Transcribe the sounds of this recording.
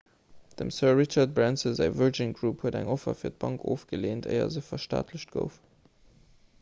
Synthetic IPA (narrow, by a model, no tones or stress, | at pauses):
d̥əmsɜɐʁit͡ʃɑt̚bʁænsəzæɪvɜd͡ʒinɡʁuːphuədæ̰ŋofɐ̰fiːɐt̚b̥ɑŋkʰoːfɡ̥əleːntʰə̰ɪɐ̰zəʊfɐʃta̰ːtʰləɕt̚ɡ̥ə̰ʊf